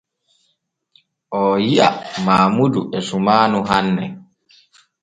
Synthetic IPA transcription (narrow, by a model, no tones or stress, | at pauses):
ʔɔjiʔa̰maːmuduʔɛsumaːnuɦanːɛ